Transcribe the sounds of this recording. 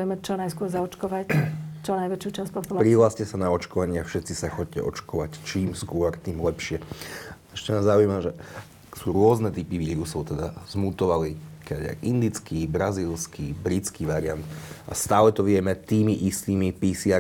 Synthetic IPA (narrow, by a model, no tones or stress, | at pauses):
jɛmɛt͡ʃɔnajskʊɔɾzaɔt͡ʃkɔʋact͡ʃɔnajʋɛt͡ʃjuːt͡ʃaspɔt̪ɔlpɾiɦlascɛsanaɔt͡ʃkɔʋaɲɪafʃɛt̪t͡sisaxɔc̚cɛ̰ʔɔt͡ʃkɔʋact͡ʃiːmskʊɔɾt̪iːmlɛpʃɪɛ | ɛʃcɛnaːzaujimaʒɛ | suːɾʊɔznɛt̪ipiʋiːɾusɔʊt̪ɛd̪a̰z̥mut̪ɔʋaliɔkaa̰jʔind̪it͡skibɾaziːlskibɾit͡skiʋaɾɪant̪ast̪aːlɛt̪ɔʋɪɛmɛt̪iːmiʔist̪iːmipisia